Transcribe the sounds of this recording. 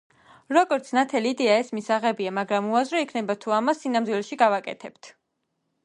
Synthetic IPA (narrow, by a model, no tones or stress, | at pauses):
ɾɔɡɔɾt̪sʰnat̪ʰɛliːd̪ɛaɛsmisaʁɛbiamaɡɾamuazɾɔikʰnɛbat̪ʰuamasːinamd̪wilɛʃiɡavakʼɛ̰t̪ʰɛpt̪ʰ